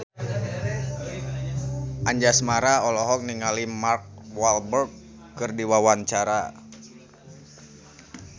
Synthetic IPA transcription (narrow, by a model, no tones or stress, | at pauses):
ʔaɲd͡ʒasmaɾaɔlɔɦɔk̚niŋalimark̚walbərɡ̚ | kɨrdiwawant͡ʃaɾa